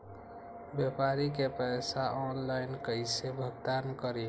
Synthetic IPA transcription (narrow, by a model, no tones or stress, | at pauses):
bjepaɾikepəjsaʔɔnlaɪnkəɪsebʱəɡ̚d̪ankəɾi